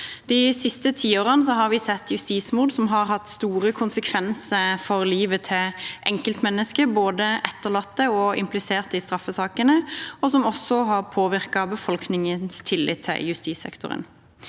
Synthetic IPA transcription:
d̪̥ɪsɪst̪ət̪ʰiːoːʁənəs̬ɔɦɑɾʋɪsɛt̪ːjʉst̪iːsmʊd̪sɔmɦɑɾhɑt̪st̪uːɾəkʰʊnsəkʰʋɛnsəfɔɾliːʋət̪ʰɪʔɛŋkəlt̪mɛnːəskəboːd̪əʔɛt̪ːəʁɭɑt̪ːəɔɪ̰mplɪseːʁt̪əɪst̪ɾɑfəsɑːkənəɔsɔmɔsːɔɦɑʁpʰoːʋɪʁkɑbəfɔlknɪŋənst̪ʰɪlːɪ̰t̪ʰːɪ̰ljʉst̪iːsɛ̰kt̪ʊ̰ɾə̰n

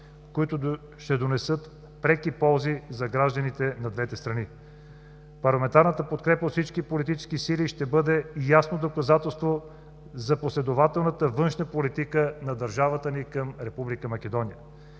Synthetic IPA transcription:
koit̪ʊ | ʃt̪ɛd̪onɛsɤt̪ | pɾɛkipɔlˠzizɐɡɾaʒd̪ənit̪ɛnɐd̪vɛt̪ɛst̪ɾɐni | pɐɾlˠɐmɛnt̪aɾnət̪əpot̪kɾɛpəfsit͡ʃkipolit̪it͡ʃɛ̥skisiliʃt̪ɛbɤd̪ɛjasnod̪okɐzat̪ɛlˠst̪vo | zɐposlɛd̪ovat̪ɛlˠnət̪əvɤnʃnəpolit̪ikənɐd̪ɐɾʒavət̪ənikəmɾɛpublikəmɐkʲɛd̪ɔnijə

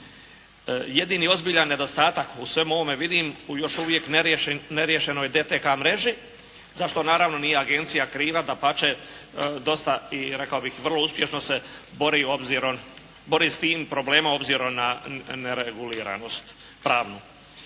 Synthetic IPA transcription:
je̞d̪iːnio̞zbiʎanːe̞d̪o̞st̪aːt̪akusʋe̞mo̞ʋo̞me̞ʋid̪iːmujo̞ʃuʋje̞kneɾeneɾjeʃe̞no̞jd̪et̪ekamɾe̞ʒi | zaʃt̪o̞naːɾaʋno̞niːje̞aɡe̞nt̪sijakɾiːʋad̪apat͡ʃed̪o̞st̪aiɾe̞kaobixʋr̩lˠouspje̞ʃno̞se̞ | bo̞ɾio̞bziɾom | bo̞ɾiːst̪iːmpɾo̞ble̞ːmao̞bziːɾo̞mnaneɾeɡuliːɾa̰nost̪ | pɾaːʋnu

